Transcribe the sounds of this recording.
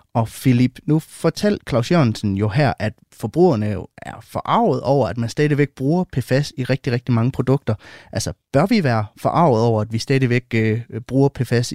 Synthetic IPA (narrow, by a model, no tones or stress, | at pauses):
ʔɒ̽filib̥nufɒ̽t͡sʰel̰d̥̚kʰlɑ̈ʊsjønsən̩jo̝ɦæɐ̰ʔæd̥ | fɒ̽b̥ʁṵːɐnəjoæɐfɒʔɑ̈ʊð̞̩ˠɒʊ̰ɐæd̥mænsd̥ɛːðˠʋeɡ̥̚b̥ʁuːɐpʰefæsiʁɛɡ̥̚d̥iʁɛɡ̥̚d̥imɑ̈ŋəpʰʁo̝d̥ɔ̽ɡ̥̚d̥ɐʔælsɐb̥ɶɐʋiʋæːɐfɒ̽ʔɑ̈ʊ̰ð̩ˠɒʊ̰ɐæd̥ʋisd̥ɛːð̩ˠʋeɡ̥b̥ʁuːɐpʰefæs